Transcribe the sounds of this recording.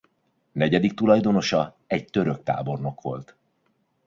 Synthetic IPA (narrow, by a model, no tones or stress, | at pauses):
nɛɟɛd̪ik̚t̪ulɒjd̪o̞no̞ʃɒ | ɛɟt̪ø̞ɾøk̚t̪a̰ːbo̞rno̞kʋo̞̰lt̪